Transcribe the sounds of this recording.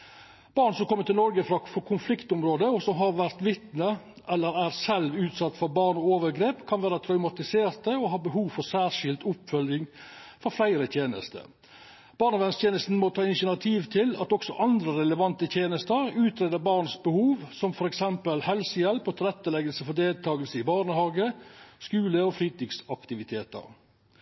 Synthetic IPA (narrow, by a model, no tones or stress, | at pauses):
b̥ɑːɾnsɔmkʰɔmːət̪ɪlnɔɾɡəfɾɑfɔkʰʊnflɪkt̪ʊmɾoːd̪əɔsɔmɦɑɾʋæɾt̪ʋɪt̪nə | ʔɛlːəɾæɾsɛlʋʉːt̪sɑt̪ːfɔɾbɑːɾɳɔoːʋəɾɡɾeːpkʰɑnʋæːɾət̪ʰɾœʉmɑt̪ɪseːɾt̪əɔɦɑːbəɦuːʋfɔɾsæːɾʂɪlt̪ʊpfœljɪŋfɔɾflæɪɾət̪ʰjeːnə̰st̪ə̰ | b̥ɑːɾɳɑʋɛnst̪ʰjeːnəst̪n̩mɔt̪ʰɑːɪnʃɪnɑt̪ʰiːʋt̪ʰɪlɑ̰t̪ɔksɔʔɑnd̪ɾəɾɛləʋɑnt̪ət̪ʰjeːnəst̪əɾʉːt̪ɾeːd̪əbɑːɾnsbəhuːʋsɔmfɔɾɛksɛmpəlhɛlsəjɛlpɔt̪ʰɪlɛt̪ːəlɛɡəlsəfɔd̪eːlt̪ʰɑːɡəlsəɪbɑːɾɳəhɑːɡəskʉːləɔfɾiːt̪ɪɡsɑkt̪ɪʋɪt̪ʰeːt̪ə̰ɾ